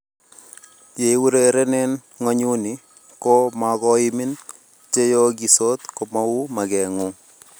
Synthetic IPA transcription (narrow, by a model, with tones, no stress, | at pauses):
je˨˦wu˦ɾeɾɛ˦nɛ˦n | ŋɔ˦ɲu˦ni˨ | ko˦ma˨kɔ˦ɪ˦mɪ˦n | t͡ʃe˦jo˦ɡi˨so˦t̪ko˨ma˦u˦ma˨kɛ˨ŋu˦